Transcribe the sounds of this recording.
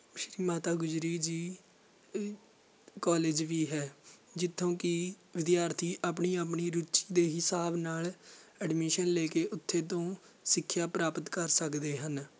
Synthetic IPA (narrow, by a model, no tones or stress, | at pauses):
ʃɾiːmaːt̪aːɡʊd͡ʒɾiːd͡ʒiː | kɔːleːd͡ʒʋiːɦɛːd͡ʒɪt̪ʰːõːkɪ | ʋɪd̪ɪjaːɾt̪ʰiːʔaːp̬ɳiːaːp̬ɳiːɾut͡ʃiːd̪eːɦɪsaːbnaːləɖmɪʃənleːkeːʔʊt̪ʰːeːt̪õː | sɪkʰːjaːpɾaːpət̪kəɾsəkd̪eːɦən